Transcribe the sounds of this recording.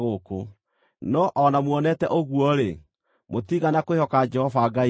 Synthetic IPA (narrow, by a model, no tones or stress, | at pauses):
ɣoko | nɔʔɔnamwɔnɛtɛʔoɣwɔɾe | motiːɣanakoehɔkad͡ʒɛhɔvaɡai